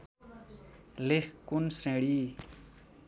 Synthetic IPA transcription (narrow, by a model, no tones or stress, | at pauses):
lekkunsẽɽi